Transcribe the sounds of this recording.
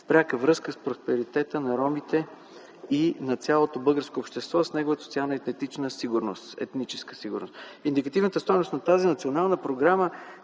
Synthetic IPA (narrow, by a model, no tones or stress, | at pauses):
fpɾʲakəvɾɤskəspɾospɛɾit̪ɛt̪ənɐɾɔmit̪ɛ | inɐt̪sʲalˠot̪obɤlˠɡəɾskoːpʃt̪ɛst̪vɔsnɛɡovət̪əsot̪ialˠnəɛt̪ɛt̪it͡ʃnəsiɡʊɾnost̪ɛ̰t̪nit͡ʃɛ̥skə̥siɡʊɾnost̪ind̪ikɐt̪ivnət̪əst̪ɔjnost̪nɐt̪azinɐt̪sʲionalˠnəpɾoɡɾamə